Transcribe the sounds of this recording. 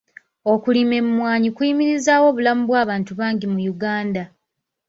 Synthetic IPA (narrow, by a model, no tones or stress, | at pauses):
o̞kulime̞mumwaːɲikuimiɾizaːwo̞ːβulamuβwaːβaːntuβaːɲɟimujuɡaːnda